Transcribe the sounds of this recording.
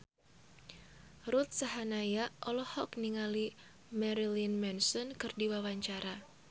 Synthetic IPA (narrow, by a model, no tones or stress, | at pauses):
ɾut̪̚saɦanajaʔɔlɔhɔkniŋali | mɛɾilinmɛnsɔnkɨrdiwawaɲt͡ʃaɾa